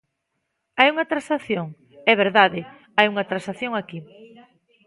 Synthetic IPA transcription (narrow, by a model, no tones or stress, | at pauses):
ajuŋɐt̪ɾasaθjoŋ | ɛβ̞eɾðaðɪ | ajuŋɐt̪ɾasaθjoŋaki